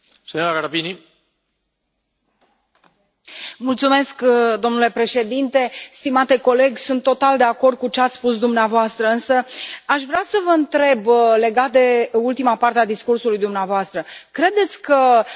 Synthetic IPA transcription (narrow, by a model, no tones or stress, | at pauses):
senoɾaɡaɾapini | mult̪sume̞skd̪o̞mnule̞pɾe̞ʃe̞d̪int̪e̞st̪imat̪e̞ko̞le̞ɡʲsunt̪ːo̞t̪ald̪e̞ako̞rd̪̚kut͡ʃeat̪sʲspusd̪umneavoast̪ɾəɨnsəaʃvɾeasəvəɨnt̪ɾe̞ble̞ɡat̪̚d̪e̞ult̪imapart̪ead̪iskursulujd̪umneavoast̪ɾəkɾe̞d̪e̞t̪sʲkə